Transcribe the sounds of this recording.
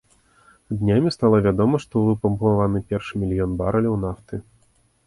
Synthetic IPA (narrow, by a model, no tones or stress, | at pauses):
d̪nʲamʲist̪alˠɐvʲad̪ɔmɐʂt̪ɔvɨpɐmbuavanɨpʲɛrʂɨmʲilʲjɔnbaɾɐlʲɐwnaft̪ɨ